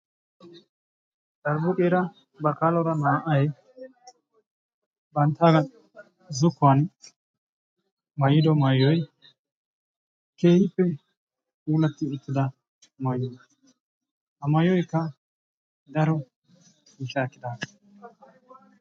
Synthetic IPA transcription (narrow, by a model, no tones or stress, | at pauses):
dɐɾbʊkʼeːɾɐ | bɐkaːlɔɾɐnaːʔɐj | bɐnt̪ːaːɡɐ | zʊkːʊan | mɐjɪd̪ɔmɐjːɔj | ke̞ːhɪpːɛ | uːlɐt̪ːɪʊt̪ːɪd̪ɐ | mɐjːɔ | ʔɐmɐjɔjkːɐ | d̪ɐɾɔ | ɪʃaːkːɪd̪aːkɐ̥